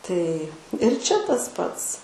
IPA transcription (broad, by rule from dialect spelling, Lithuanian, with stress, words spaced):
tɐɪ ɪr ˈt͡ʃʲɛ tɐs ˈpɐts